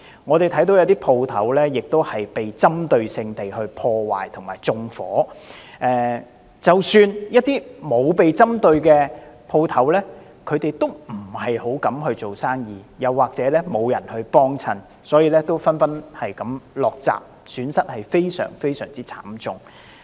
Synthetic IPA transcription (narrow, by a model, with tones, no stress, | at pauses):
ŋɔ˨˧t̪e˨jt̪ʰɐ˨˥jt̪o˨˥wjɐ˨˧wt̪iː˥pʰo˧wt̪ʰɐ̰˨˥wlɛː˥jɪ˨k̚t̪o˥whɐ˨jpe˨jt͡sɐ˥mt̪ɵ˧ɥsɪ˧ŋt̪e˨jɦɵ˧ɥpʰɔː˧wa̰ː˨˩jt̪ʰʊ˨˩ŋmaː˨˩jt͡sʊ˧ŋfɔ̰ː˨˥ʔɛː˨ | t͡sɐ˨˩wsyː˧njɐ˥t̚t̪iː˥mo˨˧wpe˨jt͡sɐ˥mt̪ɵ˧ɥkɛː˧pʰo˧wt̪ʰɐ˨˥wlɛː˥ | kʰɵ˨˧t̪e˨jt̪o˥wm̩˨˩hɐ˨jho˨˥wkɐ˨˥mɦɵ˧ɥt͡so˨wsaː˥ŋjiː˨jɐ˨˧wːaː˨k̚t͡sɛː˨˥lɛː˥mo˨˧wjɐ˨˩nhɵ˧ɥpɔː˥ŋt͡sʰɐ˧˩n | sɔː˨˥jiː˧lɛː˥t̪o˥wfɐ˥nfɐ˥nhɐ˨jkɐ˨˥˦mlɔː˨k̚t͡sa̰ː˨p̚ | syː˨˧˥nsɐ˥t̚hɐ˨jfe˥jsœ̰ː˨˩ŋfe˥jsœː˨˩ŋt͡siː˥t͡sʰa̰ː˨˥mt͡sʊ˨ŋ